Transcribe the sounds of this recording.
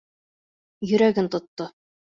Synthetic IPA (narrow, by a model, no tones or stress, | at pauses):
jɵ̆ɾæɡɘnt̪ŏt̪ːo